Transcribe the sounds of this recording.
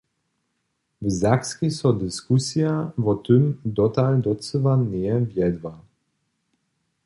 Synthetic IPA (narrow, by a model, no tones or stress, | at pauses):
vzakskisɔd̪iskusiavɔt̪ymd̪ɔt̪ald̪ɔt͡səvanɛɛvjɛd̪va